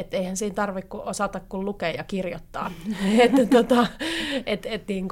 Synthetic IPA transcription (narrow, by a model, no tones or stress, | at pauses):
et̪ːeihænsiːnt̪ɑrʋikkuʔosɑt̪ɑkkullukeːjjɑkirjot̪ːɑ̰ːet̪ːæt̪ot̪ɑʔet̪et̪niːŋk